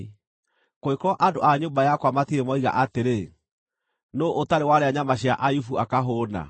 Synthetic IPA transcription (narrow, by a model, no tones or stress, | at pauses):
koekɾɔʔando̰ʔaɲoːmbajakwamatiemɔiɣa̰ʔateɾe | noʔotaɾewaɾeaɲamaɕjaʔajufuʔakaɦoːna̰